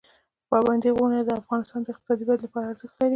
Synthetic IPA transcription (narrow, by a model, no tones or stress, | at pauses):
pɑband̪iɣuɳad̪əafɣɑnɪst̪ɑnd̪əɪqt̪ɪ̥sɑd̪ibat̪lapɑɾaːɾzəxt̪laɾi